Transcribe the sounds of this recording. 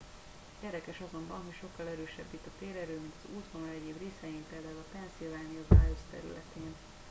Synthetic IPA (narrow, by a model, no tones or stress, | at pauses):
ɛɾd̪ɛkɛʃɒzo̞mbɒnɦo̞cʃo̞kːɒlɛɾøːʃɛbːit̪ːɒt̪eːɾɛɾøːmint̪ɒzuːt̪honɒlɛɟeːbreːsɛjimpeːld̪aːulɒpɛnsilvaːnijovaːjost̪ɛ̰ɾy̰lɛ̰t̪eːn